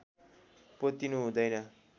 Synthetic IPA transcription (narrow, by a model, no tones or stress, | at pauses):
pʌt̪inuɦũd̪ʌjnʌ